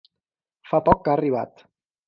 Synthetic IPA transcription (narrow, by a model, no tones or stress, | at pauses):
fapɔkːaːriβ̞a̰t̪